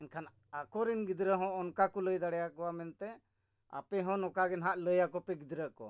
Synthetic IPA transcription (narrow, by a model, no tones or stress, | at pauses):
ɛnkʰan | akɔɾinɡid̪ɾəɦɔ̃ɔnkakɔləjd̪aɽɛjakɔwamɛnt̪ɛ | a̰pɛɦɔ̃nɔkaɡɛnɦaʔləjakɔpɛɡid̪ɾəkɔ̰